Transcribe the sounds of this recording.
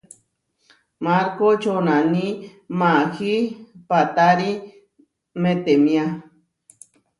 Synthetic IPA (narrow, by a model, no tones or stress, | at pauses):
maɾkot͡ʃonani | mahipat̪aɾi | met̪emĩa